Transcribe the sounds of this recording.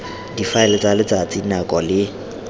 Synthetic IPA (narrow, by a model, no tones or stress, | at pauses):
difaɛlɪt͡salɪt͡sʼat͡sʼinakʼɔlɪ